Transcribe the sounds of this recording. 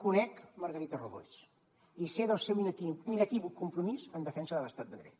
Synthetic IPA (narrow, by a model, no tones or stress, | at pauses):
kunɛkməɾɣəɾit̪əruðo̰js | iseðəlˠsɛwiniinət̪iβukumpɾumizənd̪əfɛnsəðələst̪at̪̚d̪əɣɾɛ̰t̪̚